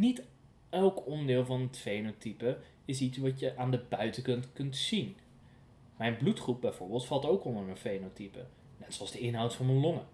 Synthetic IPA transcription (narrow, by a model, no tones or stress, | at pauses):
nit | ɛlˠkɔndɪːlˠvɑnətfejnotipə | ɪsitsʋɑtjəʔaːndəbœɥtəkɵntkɵntsin | mɛjnblutχrup̚bɛjv̥ʊːɹbɪːlˠtfɑlˠtowkɔndəɹənfejnotipə̰ | nɛtsoɑlˠzdəɪnɦɑwtfɑnmənlɔŋə